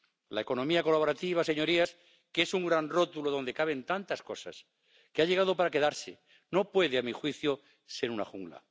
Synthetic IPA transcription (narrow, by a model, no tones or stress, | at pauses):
lae̞ko̞nõmiako̞laβ̞o̞ɾat̪iβ̞ase̞ɲo̞ɾias | ke̞suŋɡɾanro̞t̪uloðo̞nd̪e̞kaβe̞nt̪ant̪asko̞sas | keaʎe̞ɣaðo̞paɾake̞ðaɾse | no̞pwe̞ð̞eamixwiθjo | se̞ɾuna̰xuŋɡla̰